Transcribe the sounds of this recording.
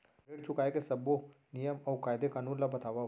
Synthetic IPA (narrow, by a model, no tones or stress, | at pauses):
beːɽt͡ʃʰʊkaːekesɐbo | nijəmɔːkaːjd̪ekaːnũːnlabɐt̪ʰaːʋaɦ